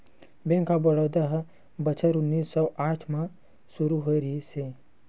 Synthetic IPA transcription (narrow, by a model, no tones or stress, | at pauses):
bẽːŋkabɔɽoːd̪aɦ | bɐt͡ʃʰəɾʊnːiːsːɔːʔaːʈʰmã | suɾuɦoɾise